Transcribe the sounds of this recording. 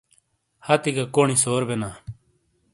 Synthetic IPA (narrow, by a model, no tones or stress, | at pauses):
hat̪iɡaːkoːɳiːsoːɾbenaː